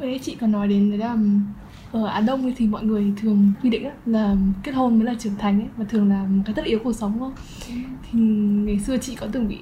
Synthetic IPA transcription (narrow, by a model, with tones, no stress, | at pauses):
ə˨˦t͡ɕḭ˧˨kɔ˨˩nːɔ˨˦jɗe˨˦nə˨˦laː˨˩˨ | ʔəː˧˩ʔaː˧˩ɗə˧wŋ͡mə˨˦jt̪ʰi˨˩mɔ̰˧˨jŋɨ˨˩əjt̪ʰɨ˨˩əŋkwi˧ɗḭ˧˨ŋ̟a˨˦laː˨˩ke˦˥t̚ho˧nmə˨˦laː˨˩t͡ɕɨ˨˩əŋt̪ʰa˨˩jŋ̟ʔə˨˦jmaː˨˩t̪ʰɨ˨˩əŋlaː˨˩˨kaː˨˦jt̪ʰə˦˥tʔi˨˦wku˨˩ək̚sə˨˦wŋ͡mxə˧wŋ͡m | t̪ʰi˨˩ŋa˨˩jsɨ˧ət͡ɕḭ˧˨kɔ˨˦t̪ɨ˨˩ŋɓḭ˧˨